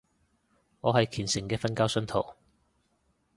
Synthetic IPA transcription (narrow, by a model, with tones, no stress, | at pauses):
ŋɔː˨˧ɦɐ˨jkʰiː˨˩nsɪ˨˩ŋkɛː˧fɐ˥nkaː˥wsɵ˥nt̪ʰo̰˨˩w